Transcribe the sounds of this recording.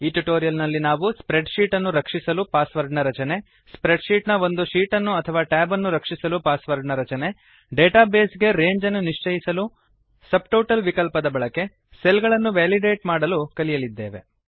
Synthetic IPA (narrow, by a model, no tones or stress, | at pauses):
iːʈuʈoːɾijɐlnɐlːinaːʋuspɾeɖʃiːʈɐnːuɾɐkʂisɐlupaːsʋɐɾɖnɐɾɐt͡ʃɐne̞ | spɾeɖʃiːʈnɐʋo̞nd̪uʃiːʈɐnːuɐt̪ʰɐʋaːʈaːbɐnːuɾɐkʂisɐlupaːsʋɐɾɖnɐɾɐt͡ʃɐne̞ | ɖeːʈaːbeːsɡe̞ɾe̞ːɲd͡ʒɐnːuniʂt͡ʃɐjisɐlu | sɐb̚ʈoːʈɐlʋikɐlpɐd̪ɐbɐɭɐke̞ | selɡɐɭɐnːuʋaːliɖeːʈmaːɽɐlukɐlijɐlid̪ːe̞ːʋe̞